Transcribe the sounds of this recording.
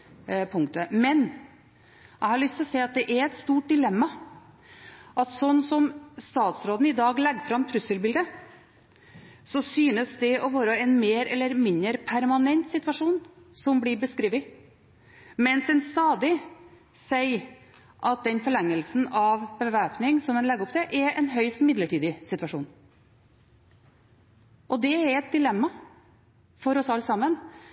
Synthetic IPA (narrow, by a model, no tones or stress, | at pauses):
pʰʊŋkt̪əmɛn | æɪhɑɾɭʏst̪lɔseɪɑt̪̚d̪ɛʔæɾɛt̪st̪uːʈ̚d̪ɪlɛmːɑ | ʔɑt̪sɔnːsɔmst̪ɑːt̪sɾoːd̪n̩ɪd̪ɑːɡlɛɡfɾɑmt̪ʰɾʉsəlbɪld̪ə | sɔsyːnəsd̪ɛɔʋɑːɾəɛnmeːɾɛlːəɾmɪnəɾpʰæɾmɑnɛnt̪sɪt̪ʋɑʂuːn | sɔmbliɾbəskɾiːʋɪ | mɛnsɛnst̪ɑːd̪ɪ | sæɪ | ʔɑt̪̚d̪ɛnfɔɭɛŋːəlsn̩ɑʋbəʋæːpnɪŋsɔmɛnlɛɡːɔpt̪ʰɛʔɛʔɛnɦœʏst̪mɪd̪ləʈʰiːd̪ɪsɪt̪ʋɑʂṵːn | ʔɔd̪ɛɛɾɛt̪̚d̪ɪlɛmːɑ | fɔɾɔsɑlːsɑmːən